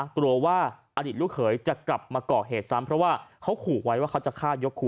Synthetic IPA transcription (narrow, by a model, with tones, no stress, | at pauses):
kɾu˧əwaː˥˩ʔa˧diː˨˩t̪̚u˥˩k̚ʰɤː˩˦jt͡ɕa˨˩ʔkla˨˩p̚maː˧kɔː˨˩ɦeː˨˩t̪̚sa˦˥mpʰɾɔ˦˥waː˥˩kʰa˦˥wkʰuː˨˩wa˦˥jwaː˥˩kʰa˦˥wt͡ɕa˨˩kʰaː˥˩jo˦˥kʰːuː˨˩